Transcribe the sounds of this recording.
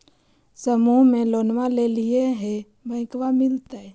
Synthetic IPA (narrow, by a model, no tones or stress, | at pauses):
səmuɦmẽloːnʋalelieɦe | bə̃ːkʋamɪlt̪a